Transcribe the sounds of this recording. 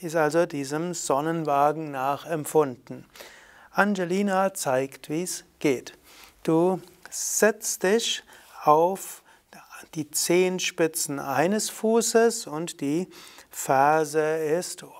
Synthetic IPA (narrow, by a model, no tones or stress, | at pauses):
ɪstʔalzodiːzəmz̥ɔnənvaːɡŋ̩naːχɛmpfʊndn̩ | ʔand͡ʒɛliːnat͡saɪktv̥iːsɡ̥eːt | d̥uːz̥ɛt͡std̥ɪçʔaʊf | d̥iːt͡seːnʃpɪt͡sn̩ʔaɪnəsfuːsəsʊntd̥iːfɛɐzəɪst